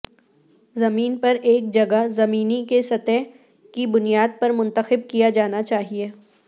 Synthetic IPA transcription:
zɐmiːnpɐɾeːk̚d͡ʒɐɡazɐmiːnikesɐt̪ɛ | kibʊnijaːd̪̚pɐɾmʊ̃nt̪əxɪb̚kijad͡ʒaːnat͡ʃaːɦieː

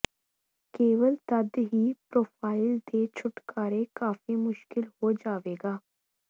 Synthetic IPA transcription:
keːʋəlt̪ɐd̪ɦiːpɾoːfaːɪlt̪et͡ʃʰʊʈkaːɾekaːfimʊʃkɪlhod͡ʒaːʋeːɡaː

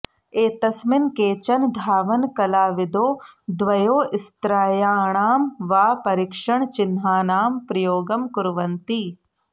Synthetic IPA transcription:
eːt̪ɐsmɪnkeːt͡ʃɐnd̪ʱaːʋɐnkɐlaːʋɪd̪oːd̪ʋɐjoːʔɪst̪ɾaːjaːɳaːmʋaːpɐɾɪkʂɐɳ̃t͡ʃɪnɦaːnaːmpɾɐjoːɡɐmkʊɾʋɐnt̪iː

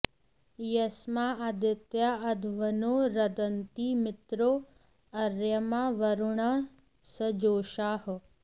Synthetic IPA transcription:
jɐsmaɐd̪ɪt̪jaɐd̪ʱʋɐnoːɾɐd̪ɐnt̪iːmɪt̪ɾoː | ɐɾjɐmaʋɐɾuɳɐ | sɐd͡ʒoːʃaːh

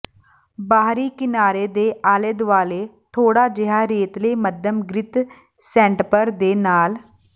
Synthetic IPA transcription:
baːɦɾiːkɪnaːɾeːd̪eːʔaːleːd̪ʊʋaːleːt̪ʰoːɽaːd͡ʒɪɦaːɾeːt̪leːməd̪jəmɡɾɪt̪ | sɛ̃ːɳʈpəɾd̪eːnaːl

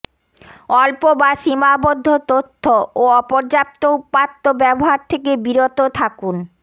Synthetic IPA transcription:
ɔlpobaʃimabod̪ʱːot̪ot̪ʰːooɔpoɾd͡ʑap̚t̪oupat̪ːobɛboɦaɾt̪ʰekebiɾot̪ot̪ʰakun

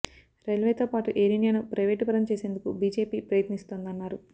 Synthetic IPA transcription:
ɾelʋeːt̪o̞ːpaːʈuʔeɾiːnijanupɾɐjʋeːʈipɐɾɐmt͡ʃeːse̞nd̪ukubiːd͡ʒe̞ːpiːpɾɐjɐt̪nist̪oːnd̪ɐnːaːɾu

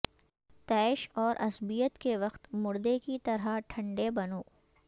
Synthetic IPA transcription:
t̪ɛːɪʃɔːɾʔɐsbijət̪keʋɐqt̪mʊɾd̪ekit̪ɐɾaʈʰɐ̃ɳɖebɐnoː

